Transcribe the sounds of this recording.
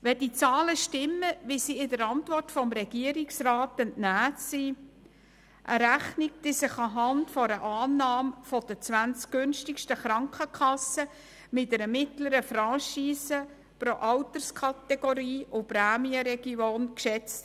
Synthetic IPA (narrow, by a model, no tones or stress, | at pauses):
ʋɛdit͡sɑːləʃtɪmːəʋisiɪdəɾɑntvɔrtfɔmɾɛɡ̥iəɾɪksrɑːtɛntnæːtsi | ʔəɾæχnɪk̚d̥isɪχɑɦɑntfɔɾəʔɑːnːɑːmfɔd̥ət͡sʋænt͡skʏnʃtɪkʃtəχɾɑŋkχəkʰχɑsə | mɪtɛɾəmɪtləɾəfɾɑʃiːsə | pɾoʔɑwtəɾskʰɑtɛɡ̥oɾiːʔʊpræːmiəɾɛɡ̥ioːnkʃɛt͡st